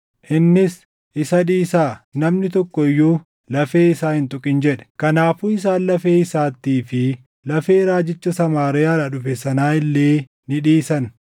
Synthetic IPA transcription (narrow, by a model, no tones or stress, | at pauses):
ʔɪnːɪs | ʔɪsɐᶑiːsaːnɐmnɪt̪ɔkːɔɪjːuː | lɐfe̞ːɪsaːhɪnt̪ʼʊkʼɪnd͡ʒɛᶑɛ̥kɐnaːfuːɪs̬aːnlɐfeːɪsaːt̪ːiːfɪ | lɐfe̞ːɾaːd͡ʒɪt͡ʃːɐsɐmaːɾɪjaːɾɐᶑʊfɛsɐnaːɪlːeː | nɪᶑiːsɐn